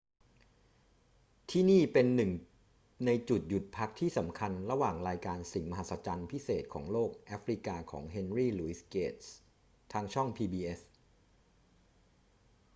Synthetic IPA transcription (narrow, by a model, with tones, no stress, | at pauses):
t̪ʰiː˥˩niː˥˩pe˧nːɯ˨˩ŋ | na˧jt͡ɕu˨˩t̪̚ju˨˩t̪̚pʰa˦˥k̚t̪ʰiː˥˩sa˩˦mkʰa˧nɾa˧waː˨˩ŋɾaː˧jkaː˧nsi˨˩ŋma˧ɦa˨˦˥t̪̚sa˧t͡ɕa˧npʰi˦˥seː˨˩t̪̚kʰɔ̰ː˩˦ŋloː˥˩k̚ʔaː˦˥fɾi˦˥kaː˧kʰɔ̰ː˩˦ŋɦe˧nɾiː˥˩luː˧˦i˦˥skeː˦˩t̪̚s | t̪ʰaː˧ŋt͡ɕʰɔ˥˩ŋpʰiː˧biː˧ʔe˦˥s